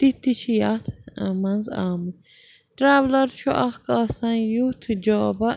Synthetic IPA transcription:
t̪it̪ːit͡ʃʰijat̪ʰmɐnza̰ːm | ʈɾaːʋlɐɾt͡ʃʰuʔɐhkaːsɐnjut̪ʰd͡ʒoːbɐ

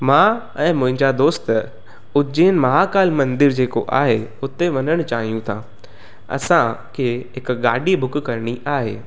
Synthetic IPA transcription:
mãː | ɛ̃ːmʊ̃ɦɪ̃ɲd͡ʑad̪oːst̪ | ʊd͡ʑeːnɪ̆mɐɦakaːlmɐ̃nd̪ɪɾd͡ʑeːko̰ʔa̰ːɦeʊt̪eʋɐnəɽ̃ʊt͡ɕaːɦijũt̪ʰã | ɐ̰sãkʰeːɦɪkɡaːɖibʱʊk̆kɐɾɽ̃iʔaːɦḛː

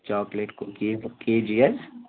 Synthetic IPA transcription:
t͡ʃɔːkleːʈkokikeːd͡ʒiɐz

